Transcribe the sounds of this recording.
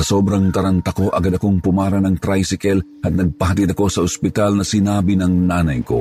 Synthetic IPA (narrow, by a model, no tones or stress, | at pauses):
sɐsoːbɾɐŋt̪ɐɾant̪ɐko̞ʔɐɡad̪ɐkoŋpʊmaːɾɐnɐŋt̪ɾajsɪkɛl | hɐt̪̚nɐɡ̚pɐɦɐt̪id̪ɐko̞sɐʔʊspɪt̪alnɐsɪnaːbɪnɐŋnaːnɐjko̰